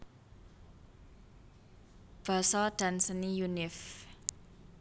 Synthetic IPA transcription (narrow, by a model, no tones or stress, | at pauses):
b̥a̤sɔɖ̥a̤nsənijunɪf